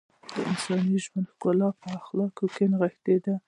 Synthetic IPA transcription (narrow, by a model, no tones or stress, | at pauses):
d̪əɪ̰nsɑniʒmand̪hkʊlɑpəaxlɑkokenɣɪht̪ed̪a